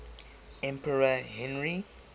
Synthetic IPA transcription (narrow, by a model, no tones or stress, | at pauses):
ɛ̃mpəɹaɦɛ̃nɹi